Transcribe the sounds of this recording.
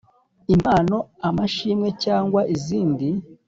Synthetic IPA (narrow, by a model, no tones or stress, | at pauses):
imaːno̞amaʃiːmŋe̞caːŋɡwaʔiziːndi